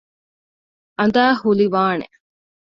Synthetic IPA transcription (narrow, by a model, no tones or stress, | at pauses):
ʔɐnd̪aːhuliʋaːnḛ